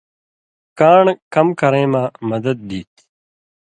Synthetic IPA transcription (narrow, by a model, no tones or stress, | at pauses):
kaːɳkəmkəɾẽːmãːməd̪əd̪̚d̪iːt̪